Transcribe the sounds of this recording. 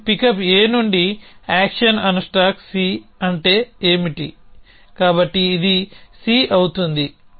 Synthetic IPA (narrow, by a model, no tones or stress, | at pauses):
pikɐpe̞ːnuɳɖiaːkʂɐnɐnɐsʈaːksiːɐɳʈe̞ːeːmiʈi | kaːbɐʈːiːd̪isiːʔɐwut̪und̪i